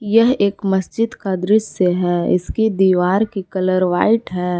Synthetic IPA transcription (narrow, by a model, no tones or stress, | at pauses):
jɐɦeːkməsd͡ʒɪd̪kad̪ɾɪsəɦɛːɪ̰skid̪iːʋaːɾkikɐləɾʋa̰ːɪʈɦɛː